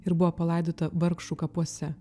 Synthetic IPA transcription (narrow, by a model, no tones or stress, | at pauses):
ɪɾbʊʋɔːpɐlˠɐˑɪd̪oːt̪ɐʋɐɾkʃukɐpuɔsʲɛ